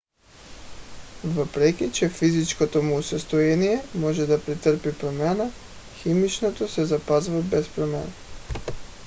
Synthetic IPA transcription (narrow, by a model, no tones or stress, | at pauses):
vəpɾɛkʲit͡ʃɛfizit͡ʃkot̪omuːsɛst̪oɛnijɛmɔʒɛd̪apɾit̪əɾpipɾomana | ximit͡ʃnot̪osɛzapazvabɛspɾomɛ̰n